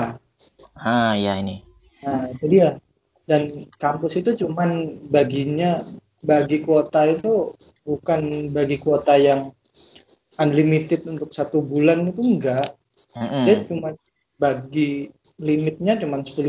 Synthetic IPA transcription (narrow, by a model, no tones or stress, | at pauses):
a | aja̰ini | ad͡ʒadija | dankampʊsit̪ut͡ʃumanbaɡiɲa | baɡikuot̪ait̪ubukanbaɡikuot̪ajaŋ | anlimit̪ɪt̪̚unt̪ʊk̚sat̪ubulanit̪uŋɡaʔ̩ | at͡ʃuman | baɡilimɪt̪̚ɲat͡ʃumansə̥pulʊ